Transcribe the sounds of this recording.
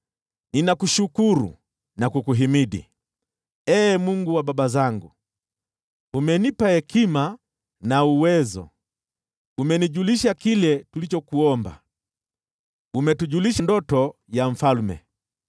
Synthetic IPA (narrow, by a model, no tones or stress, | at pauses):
ninakuʃukuɾṵ | nakukuɦimiɗḭ | ɛːmuŋɡuwaɓaɓazaŋɡu | umɛnipahɛkima | nauwɛzɔ̰ | umɛniʄuliʃakilɛtulit͡ʃɔkuɔmba̰ | umɛtuʄuliʃandɔtɔjaɱ̩falmɛ̰